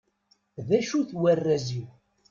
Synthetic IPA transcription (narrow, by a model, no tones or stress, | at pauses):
ðæʃuθwærːæziw